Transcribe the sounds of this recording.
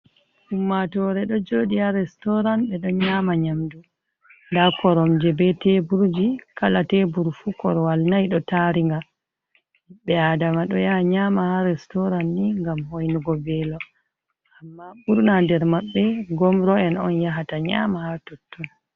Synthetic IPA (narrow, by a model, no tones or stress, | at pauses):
ʔumːatɔɾɛɗɔd͡ʒoːɗiaɾɛstɔɾanɓɛɗɔɲaːmaɲamdu | ndakɔɾɔmd͡ʒɛbɛtebuɾd͡ʒikalatebuɾfukɔ̰ɾɔwalnajɗɔtaɾiŋɡa | ɓɛadamaɗɔjaɲamahaɾɛstɔɾanːiŋɡamhojnuɡɔbɛlɔ | ʔamːaɓuɾnandɛɾmaɓːɛɡɔmɾɔɛnɔnjaɦataɲa̰mahatotːun